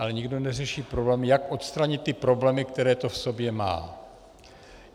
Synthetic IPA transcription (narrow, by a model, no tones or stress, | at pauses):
alɛɲɪɡdo̞nɛrɛʃiːpɾoblɛːmɪjakʔo̞t̪st̪ɾaɲɪt̪ːɪpɾo̞blɛːmɪkt̪ɛɾɛːt̪o̞fso̞bjɛma̰ː